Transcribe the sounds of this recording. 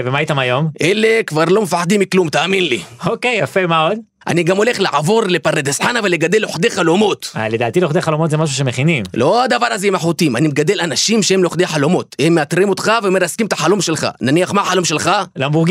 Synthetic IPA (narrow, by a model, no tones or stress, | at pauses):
vemaait̪amajomʔele̞kvaʁlo̞mefaħd̪imːiklumt̪aːminliokejafemaod̪ | ʔa̰niɡamo̞le̞χlaʕavo̞ʁle̞paɾed̪esħanavalːeɡad̪elo̞ħd̪eχalomo̞t̪a̰led̪a̰ːt̪ileoχd̪eχalomot̪zemaʃ̬uʃemeχinimlʔo̞ad̪avaʁazeimaħut̪imanimeɡad̪e̞lanaʃimʃeemleoχd̪eaħalo̞mo̞t̪emːeat̪ʁimo̞t̪χaveomeaskimet̪aħalo̞mʃe̞lχa̰naniaχmaħalo̞mʃelχalambuʁɡ